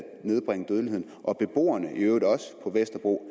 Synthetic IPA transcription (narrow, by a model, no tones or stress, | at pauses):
ne̝ð̞ˠb̥ʁaŋ̰əd̥øð̞ˠlie̝ð̰ˠnʔɒ̽b̥e̝b̥o̝̰ːɐnəʔiøːʊd̥ɒ̽sə̥pʰɒ̽ʋesd̥ɐb̥ʁo̝̰ː